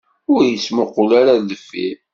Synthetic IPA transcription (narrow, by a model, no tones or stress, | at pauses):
ʊɾjəsməqːʊlaɾaləfːḭ